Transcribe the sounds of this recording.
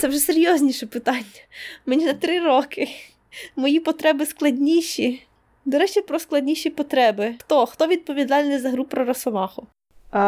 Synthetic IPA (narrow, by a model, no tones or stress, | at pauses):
t̪sɛwʒɛseɾʲjɔzʲnʲiʃɛpɪt̪ɑnʲːɐmenʲinɐt̪ɾɪɾɔkɪ | mɔjipɔt̪ɾɛbɪsklˠɐdʲnʲiʃʲi | d̪ɔɾɛt͡ʃipɾɔsklˠɐdʲnʲiʃʲipɔt̪ɾɛbɪxt̪ɔxt̪ɔʋʲid̪̚pɔʋʲid̪ɑlʲnɪzɐɦɾupɾɔɾɐsɔmɑxʊ